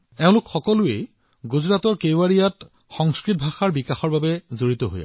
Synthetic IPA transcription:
ɛʊ̃lʊkxɔkɔlʊḛ | ɡuzɹatɔɹkeaɹijat | xɔŋskɹit̚bʱaxaɹbikaxɔɹbabɛzoɹit̪ɔɦo̰ja̰

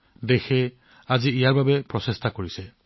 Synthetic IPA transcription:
d̪exʰe | ad͡ʒiijaɹbabepɹɔsest̪akoɹise

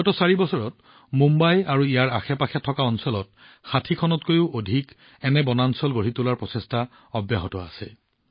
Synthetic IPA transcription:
ɔtɔsaɹibɔsɔɹɔt̚ | mumbajaɹuijaɹaxɛpaxʰɛtʰːɔkaɔnsɔlɔt̚ | xatʰikʰɔnɔtkojʊodʱik | ɛnɛbɔnansɔlɡoɹitulaɹpɹɔsɛsta | ɔbjaɦɔtɔa̰sɛ

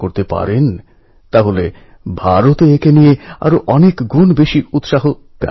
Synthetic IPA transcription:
koɾt̪epa̰ɾen | t̪aɦole | bʱaɾot̪eekenijea̰ɾoʔɔnekɡɾunbeʃiut̪ʃaɦo | ka̰

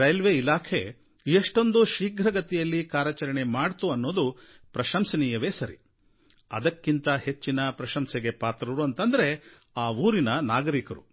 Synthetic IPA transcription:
ɾɐjlʋeilaːkʰe̞̰ | eʂʈo̞nd̪uʃiːɡɾɐɡɐt̪ɛjɐlːikaːɾjɐt͡ʃɐɾɐɳe̞maːɖt̪uɐnːo̞ːd̪u | pɾɐʃɐmsɐniːjɐʋeːsɐɾḭ | ɐ̰d̪ɐkːint̪ɐhe̞t͡ʃːinɐpɾɐʃɐmseɡe̞paːt̪ɾɐɾuɐnt̪ɐnd̪ɐɾe̞ | aːuːɾinɐnaːɡɐɾikɐɾṵ

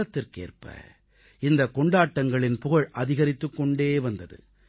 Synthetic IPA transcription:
ɐt̪ːɪrkḛːrpɐ̰ | ɪnd̪ɐkɔɳɖaːʈːɐŋɡɐɭɪnpʊɣɐɭʔɐðɪɣɐɾɪt̪ːɯkːɔɳɖeːʋɐnd̪ɐðɯ̰

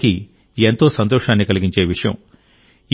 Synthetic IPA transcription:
ki | ent̪o̞ːsɐnt̪ɔːʂaːnːikɐliɡiɲt͡ʃe̞ːʋiʂɐjɐ̰m

